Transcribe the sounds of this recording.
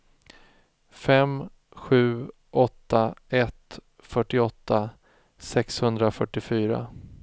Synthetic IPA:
fɛm | ɧʉ̟ː | ʔɔt̪ːaɛt̪ | fœʈːɪɔt̪ʰːa | sɛkshɵnd̪ɾafœʈːɪfyːɾa̰

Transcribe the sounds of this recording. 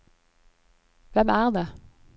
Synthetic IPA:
ʋɛmæːʁd̪eː

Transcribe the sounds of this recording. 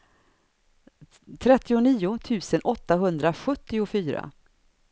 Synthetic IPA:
t̪ʰɾɛt̪ːɪʊniːʊt̪ʰʉ̟ːsənʔɔt̪ːaɦɵnd̪ɾaɧɵt̪ːɪʊfyːɾa̰

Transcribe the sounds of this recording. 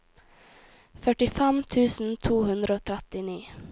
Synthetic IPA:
fœʈɪfɛmt̪ʰʉːsn̩t̪ʰuːhɵnd̪ɾəoːt̪ʰɾɛt̪ːɪniː

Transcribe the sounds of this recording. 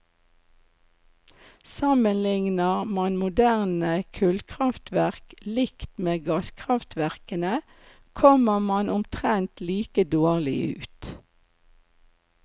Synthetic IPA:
sɑmənlɪŋnəʁmɑnmʊd̪æʁnəkʰʉːlkʰʁɑft̪ʰʋæʁklɪkt̪meːɡɑːskʰʁɑft̪ʰʋæʁkənə | kʰɔməmɑnʔʊmt̪ʰʁɛnt̪liːkəd̪oːʁlɪ̰ʉ̰ːt̪

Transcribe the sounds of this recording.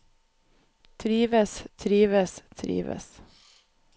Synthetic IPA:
t̪ʰɾiːʋəst̪ʰɾiːʋəst̪ʰɾḭːʋə̰s

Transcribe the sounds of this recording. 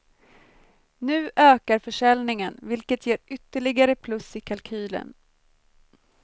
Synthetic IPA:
nʉ̟ːʔøːkaɾfœʂɛlnɪŋənvɪlkət̪jeːɾʏt̪ːəɭɪɡaɾəpʰlɵsːɪkʰalkʰyːlə̰n

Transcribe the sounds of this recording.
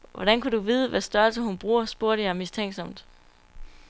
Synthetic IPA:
ʋʔɒɾ̥ænkʰuduʋiːð̞ˠəʋæsd̥ɶɐlsəhunb̥ʁuːɐsb̥uɐ̰ɾəjɑ̈ɪmist͡sʰeŋ̰ɡ̥sɒ̽m̰d̥

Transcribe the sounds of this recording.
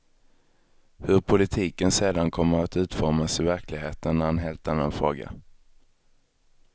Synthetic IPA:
hɵɾpʰʊlɪt̪ʰiːkənseːd̪ankʰɔmːəɾat̪ʉ̟ːt̪fɔɾmasɪvæɾklɪɡɦeːt̪ənːæɾhanɦeːlt̪anːa̰nfɾo̰ːɡa̰

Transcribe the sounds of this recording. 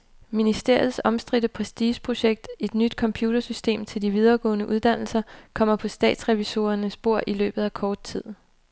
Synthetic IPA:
minisd̥e̝ɐ̰ð̩ˠsɒ̽msd̥ʁid̥əpʰʁɛsd̥iːɕpʰʁo̝ɕeɡ̥̚d̥e̝d̥nyd̥kʰɒ̽mpʰjuːd̥ɐsysd̥e̝̰ːmt͡sʰe̝ld̥iʋið̞ˠɐːɡ̥ɔ̰̽ːnəʔuð̞ˠd̥æn̰l̩sɐkʰɒ̽m̰ɐpʰɒ̽sd̥ɛ̰ːd̥sʁɛʋiso̝ɐnəsb̥o̝ɐ̰ʔilø̰ːb̥ð̩ˠækʰɒːd̥̚t͡sʰið̰ˠ

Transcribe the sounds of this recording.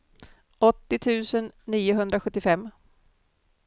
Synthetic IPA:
ʔɔt̪ːɪt̪ʰʉ̟ːsənːiːʊɦɵnd̪ɾaɧɵt̪ːɪfɛmː

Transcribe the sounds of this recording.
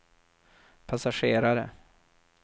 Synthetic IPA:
pʰasaʂeːɾaɾə̰

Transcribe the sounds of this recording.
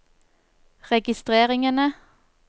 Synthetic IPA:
ʁɛɡɪst̪ʁeːʁɪŋənə

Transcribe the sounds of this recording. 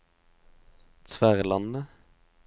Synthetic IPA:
t̪ʰʋæʁlɑnə

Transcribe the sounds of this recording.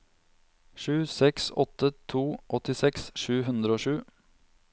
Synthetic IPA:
ʃʉːsɛksɔ̰t̪ət̪ʰuːʔɔt̪ɪsɛksʃʉːɦʉnd̪ɾəoːʃʉː

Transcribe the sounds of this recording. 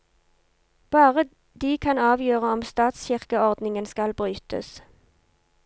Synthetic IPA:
b̥ɑːʁə | d̪iːkʰɑnɑːʋjøːʁəɔmst̪ɑːt̪sçɪʁkəɔʁd̪nɪŋənskɑlbʁyːt̪ʰə̰s

